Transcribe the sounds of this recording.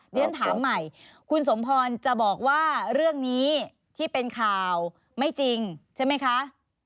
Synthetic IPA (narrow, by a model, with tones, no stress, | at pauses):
i˧˦˥nt̪ʰaː˩˦mːa˨˩j | kʰu˧ns̬o˩˦mpʰɔː˧nt͡ɕa˨˩bɔː˨˩k̚waː˥˩ɾɯ˥˩əŋniː˦˥ | t̪ʰiː˥˩pe˧nkʰaː˨˩w | ma˥˩jt͡ɕi˧ŋt͡ɕʰa˥˩jma˦˥jkʰa˦˥ʔ